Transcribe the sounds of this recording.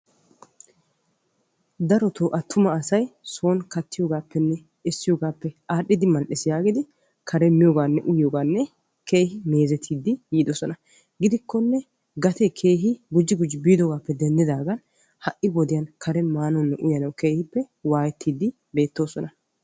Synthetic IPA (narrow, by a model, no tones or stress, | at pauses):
d̪ɐɾɔt̪oːʔɐt̪ʰːʊmɐːsɐjso̞ːnkɐt̪ːɪjoːɡaːpːɛnːɛ | ɪsːɪjoːɡaːpːɛʔaːɗːɪd̪ɪmːɐnʔɪsɪjaːɡɪd̪ɪ | kʰɐɾɛmɪjoːɡaːnːɛʔʊjoːɡaːnːɛ | kʰe̞ːhɪme̞ːzɛt̪ʰːiːd̪ːɪjiːd̪ɔsɔnɐ | ɡɪd̪ɪkːɔnːɛ | ɡɐt̪ɛkʰe̞ːɦɪɡʊd͡ʒːɪɡʊd͡ʒːɪbiːd̪ɔɡaːpːɛd̪ɛnd̪ɪd̪aːɡɐn | hɐʔɪbɔd̪ɪjɐnkʰɐɾɛmaːnɔnːɛʔʊjɐnɐwke̞ːhɪpːɛ | waːjɛt̪ʰːiːd̪ɪ | be̞ːt̪ːo̞ːsɔnɐ